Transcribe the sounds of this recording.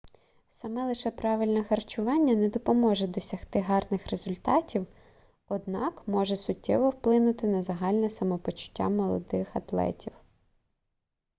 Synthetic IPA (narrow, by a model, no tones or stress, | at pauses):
sɐmɛlˠɪʃɛpɾɑʋɪlʲnɛxɐrt͡ʃʊʋɑnʲːɐnɛd̪ɔpɔmɔʒɛd̪ɔsʲɐxt̪ɪɦɑrnɪxɾezʊlʲt̪ɑtʲiw | ɔd̪nɑkmɔʒɛsʊtʲːɛ̰ʋɔwplˠɪnʊt̪ɪnɐzɐɦɑlʲnɛsɐmɔpɔt͡ʃʊ̥tʲːa̰mɔlˠɔ̰d̪ɪxɐt̪lˠɛ̰tʲiw